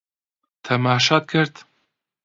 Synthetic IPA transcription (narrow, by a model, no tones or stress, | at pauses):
t̪ʰɐmɑːʃɑːt̪̚kʰɨɾt̪